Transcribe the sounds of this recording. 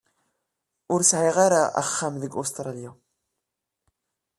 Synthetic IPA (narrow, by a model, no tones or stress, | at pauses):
ʊɾsʕiʁaɾaʔa̰χːamðəɡost̪ɾˤɑlja